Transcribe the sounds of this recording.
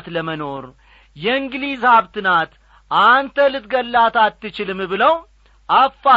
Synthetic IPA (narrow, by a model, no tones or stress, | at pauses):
t̪ləməno̞ɾ | jɛɨŋɡlizhaβt̪ʰɨnat̪ | ʔant̪ʰəlɨt̪ɡəlːat̪at̪ːɨt͡ʃɪlɨmbɨləw | ʔafːa